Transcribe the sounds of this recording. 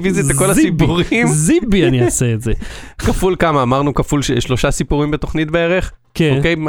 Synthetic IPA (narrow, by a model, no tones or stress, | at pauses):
viziako̞lasipuʁimzibianiaseetzekafulkamaːmaʁnukafulʃeʃlo̞ʃasipuʁimbeto̞χnitbeeʁe̞χ | keokej